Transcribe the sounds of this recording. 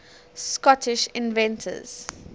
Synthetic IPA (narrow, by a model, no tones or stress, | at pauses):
skɔtʰɪʃɪ̃nvɛ̃ntʰə̰z̥